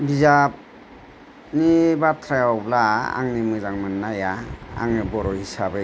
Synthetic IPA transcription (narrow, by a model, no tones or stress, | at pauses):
bizap̚ | nibat̪ʰɾajawblaa̰ŋnimɯzaŋmɯnːajaa̰ŋnibɔɾɔhisabe